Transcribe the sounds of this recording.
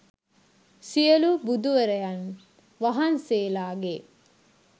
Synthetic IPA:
sijɐlubud̪uʋɐɾɐjɐn | ʋɐɦɐnseːlaːɡe

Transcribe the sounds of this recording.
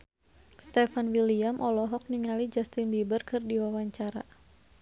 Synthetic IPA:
st̪ɛfanwiliamʔɔlɔɦɔk̚niŋalid͡ʒast̪ɪnbibərkɨrdiwawaɲt͡ʃaɾa̰

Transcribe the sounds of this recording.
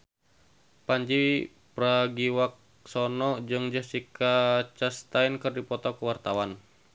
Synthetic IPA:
paɲd͡ʒi | pɾaɡiwak̚ | sɔnɔd͡ʒɨŋd͡ʒəhsikat͡ʃast̪ainkɨrdipɔt̪ɔkuwart̪awan

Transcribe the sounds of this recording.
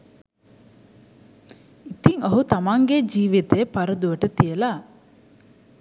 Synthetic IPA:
it̪iŋəɦut̪amaŋɡed͡ʒiːʋit̪əəpaɾəd̪uʋəʈət̪ijəla

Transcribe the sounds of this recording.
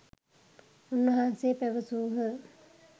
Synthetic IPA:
unːɐɦanseːpæʋəsuːɦə

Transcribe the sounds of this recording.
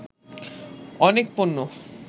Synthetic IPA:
ɔnekponːo

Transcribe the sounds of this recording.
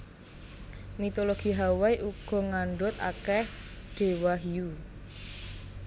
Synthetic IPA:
mit̪oloɡ̥i̤ɦawaiʔuɡ̥ɔ̤ŋaɳɖʊt̪̚a̰kɛh | ɖ̥e̤waɦiu

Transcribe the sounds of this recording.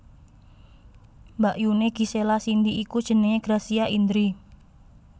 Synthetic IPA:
mbaʔjuneɡ̥i̤selasind̪iʔikud̥ʒ̥ə̤nəɲeɡ̥ɾasiaʔind̪ɾi

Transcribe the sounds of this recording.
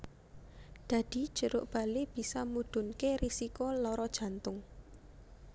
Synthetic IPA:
d̪̥a̤d̪̥i̤̥ʒ̥əɾʊʔb̥a̤leb̥i̤sɔmuɖ̪̥ʊ̤nkerisikolɔɾɔd̥ʒ̥ä̤nt̪ʊŋ

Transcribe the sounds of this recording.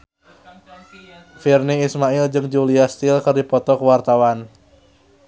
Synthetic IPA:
firniːsmaɪld͡ʒɨŋd͡ʒuliast̪ɪlkərdipɔt̪ɔkəwart̪awan

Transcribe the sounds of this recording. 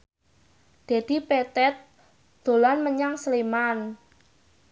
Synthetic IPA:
d̪̥ed̪̥i̤pet̪ɛt̪̚ | d̪̥o̤lanməɲaŋsleman

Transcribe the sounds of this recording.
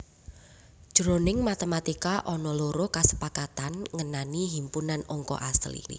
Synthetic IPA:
ʒ̥ɾonɪŋmat̪əmat̪ikaʔɔnɔloɾokasə̥pakat̪anŋənaniɦimpunanɔŋkɔ̰ʔaslḭ

